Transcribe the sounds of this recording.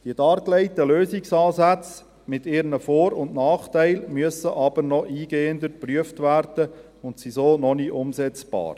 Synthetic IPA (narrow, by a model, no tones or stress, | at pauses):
d̥iəd̥ɑːɾklɛɪtəløːzɪksɑːzæt͡s | mɪtɪɾnəfɔːɾʊndnɑːχtæɪlmyəsəʔɑb̥əɾnɔʔiːɡeːənd̪əpryəftʋæːɾd̥ə | ʊntsizoːnɔniʔʊmzɛt͡sb̥ɑ̰ːɾ